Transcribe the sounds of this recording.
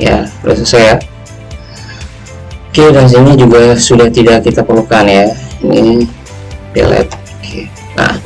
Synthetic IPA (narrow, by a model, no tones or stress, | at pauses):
ja̰ɾṵsasaja | okeɾas̬inid͡ʒuɡasudaht̪idakit̪apəlukanjani | pḭlɛ̰t̪̚ | kʰe | a̰